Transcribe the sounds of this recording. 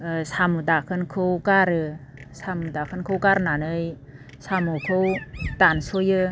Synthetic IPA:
samɯdakʰɯnkʰɯwkaɾɯsamudakʰɯnkʰɯwkaɾnanɯj | samukʰɯwtansojɯ

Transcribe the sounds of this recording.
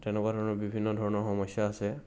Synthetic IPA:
tɛnɛkwadʱɔɹɔnɔɹbibʱinːɔdʱɔɹɔnɔɹxɔmɔsjaːsɛ

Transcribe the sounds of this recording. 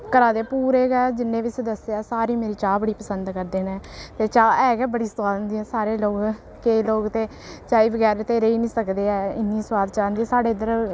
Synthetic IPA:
kəɾaːd̪eːpuːɾeːɡɛːd͡ʒɪnːẽːʋɪsd̪əseaːsaːɾiːmeːɾiːt͡ʃaːbəɽiːpəsənd̪kəɾd̪eːnɛːt̪eːt͡ʃaːɛːɡɛːbəɽiːst̪waːd̪ənd̪iːɦɛːsaːɾeːloːk | keːloːɡt̪eː | t͡ʃaːiːbəɡɛːɾet̪eːɾeiːnĩːsəkd̪eːɛːɪ̰nːiːsʊwaːd̪t͡ʃaːnd̪iːɛːsaːɖeːɪd̪əɾ

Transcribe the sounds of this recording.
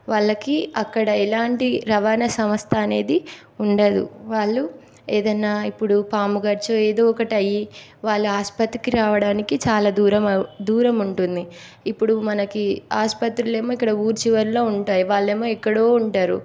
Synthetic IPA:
ʋaːɭːɐkiɐkːɐɽɐɛlaːɳʈiɾɐʋaːnɐsɐmɐst̪ʰɐːne̞ːd̪i | uɳɖɐd̪ṵʋaːɭːu | eːd̪ɐnːaːipːuɽupaːmuɡɐɾt͡ʃɐe̞ːd̪oːɔkɐʈiɐji | ʋaːɭːuaːspɐt̪ɾikiɾaːʋɐɽaːnikit͡ʃaːlaːd̪uːɾɐmɐd̪uːɾɐmuɳʈund̪i | ipːuɽumɐnɐkiaːspɐt̪ɾule̞ːmoːikːɐɽɐuːɾt͡ʃiʋɐɾlo̞ːuɳʈaːjiʋaːɭːe̞ːmoːikːɐɽo̞ːuɳʈaːɾṵ

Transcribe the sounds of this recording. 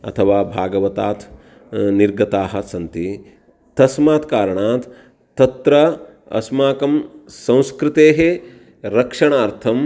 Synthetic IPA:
ɐ̰t̪ʰɐʋaːbʱaːɡɐʋɐt̪aːt̪ʰ | niɾɡɐt̪aːɦɐ̆sɐnt̪i | t̪ɐsmaːt̪kaːɾɐɳaːt̪ʰː | ɐt̪ɾɐ | ɐ̰smaːkɐmsɐ̃w̃skɾɪt̪eːɦe | ɾɐkʂɐɳaːɾt̪ʰɐm

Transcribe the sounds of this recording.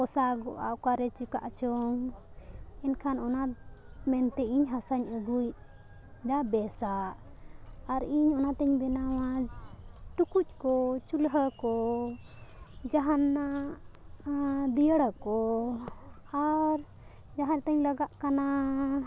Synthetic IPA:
kɔsaɡɔʔa̰ʔkaɾɛt͡ʃuka̰ʔt͡ʃɔm | ɛnkʰanɔnamɛnt̪ɛiɲɦasaɲəɡuj | d̪abɛsaʔː | ɾiɲɔnat̪ɛɲbɛnawa | ʈukuc̚ˀkɔt͡ʃulɦəkɔ | d͡ʒaɦanːa | d̪ijəɽəkɔ | aɾ | d͡ʒaɦaɾt̪əɲləɡaʔkana

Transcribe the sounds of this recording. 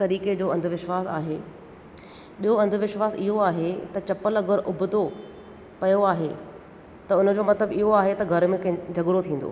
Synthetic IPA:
t̪ɐɾiːked͡ʑoːɐ̃nd̪ʱʋɪʃwaːsa̰ːɦeː | ɓijoɐ̃nd̪ʱʊʋɪʃwaːsɪɦoaːɦet̪ɐt͡ɕɐpəlɐɡəɾʔʊbʱʊd̪o | pɐjoaːɦe | t̪ɐʊnd͡ʑoːmɐt̪ləbɪɦoaːɦet̪ɐɡʱɐɾmẽkd͡ʑʱɐɡʊɾot̪ʰĩːn̆d̪o̰ː

